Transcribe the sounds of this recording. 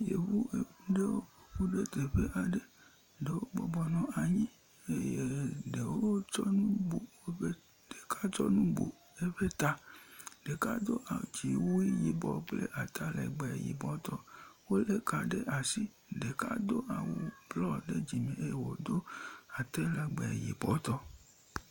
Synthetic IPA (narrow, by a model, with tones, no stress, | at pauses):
jḛ˨wu˦e˨ku˦ɖe˦wo˦o˨ɸu˦ɖe˦t̪e˨ɸe˦ʔa˨ɖe˦ | ɖe˨wo˦ɡ͡bɔ̰˨bɔ˨nɔ̃˦a˨ɲĩ˦ | e˦je˨ɖe˨wo˦wt͡ʃɔ˦nũ˦bu˨wo˦ɸe˦ | de˨ka˦t͡ʃɔ˦nũ˦bṵ˨ | e˦ɸe˦t̪a˦de˨ka˦d̪o˦ʔa˨d͡ʒi˨wu˦i˦ji˨bɔ˨k͡plḛ˦ʔa˨t̪a˦lɛ̰˨ɡ͡bɛ˨jḭ˨bɔ˨˦t̪ɔ˧wo˦le˦ka˨ɖe˦ʔa˨si˦ | de˨ka̰˦d̪o˦ʔa˨wo˨blɔ˦de˦d͡ʒi˨mẽ˨e˦je˨wo˨d̪o˦a˨t̪ɛ˦la˨ɡ͡bɛ˨jḭ˨bɔ˨˦t̪ɔ˦